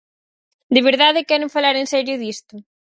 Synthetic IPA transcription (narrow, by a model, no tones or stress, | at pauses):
d̪ɪβ̞eɾðaðɪkɛɾeɱfalaɾensɛɾjʊðist̪ʊ